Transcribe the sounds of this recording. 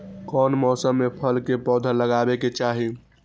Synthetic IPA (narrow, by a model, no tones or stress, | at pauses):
kɔnmɔːsəmːepʰəlkepɔːd̪ʱələɡabeket͡ʃaːɦi